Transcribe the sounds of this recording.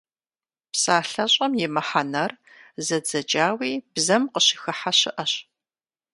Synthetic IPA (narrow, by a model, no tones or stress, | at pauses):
psaːɬɐɕʼɐmjɛmɐħanɐr | zɐd͡zɐd͡ʒʼaːwiːb̥zɐmqəɕɪxɨħaɕɪʔɐɕ